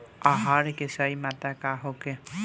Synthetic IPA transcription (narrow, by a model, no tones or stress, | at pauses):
aɦaɾekesajmat̪akaɦoke